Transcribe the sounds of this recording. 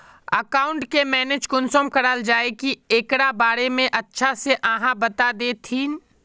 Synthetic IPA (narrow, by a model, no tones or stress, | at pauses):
ə̰kaːʊ̃ɳʈkemɛːned͡ʒkʊnsomkɐɽald͡ʒaːekieːkɽabaːɾemẽʔɐtːʃʰaseʔə̃ɦãbɐt̪ad̪eːt̪ʰiːn